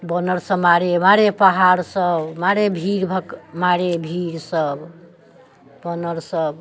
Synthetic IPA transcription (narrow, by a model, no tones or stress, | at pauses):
bənəɾsə̃maɾemaɾepəɦaɾsəbmaɾebʱiɾbʱəkmaɾebʱiɾsəb | bənəɾsəb